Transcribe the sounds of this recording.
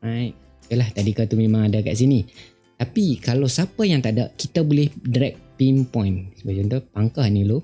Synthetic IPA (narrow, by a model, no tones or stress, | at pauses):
ajt̪̚ | kəlaht̪adikat̪umẽmãŋadaka̰ʔs̬ini | t̪apikalawsapajaŋt̪aʔdaʔkit̪abolɪhdɾɛk̚pimpɔ̃jnsəbat͡ʃont̪opaŋkahnĩlo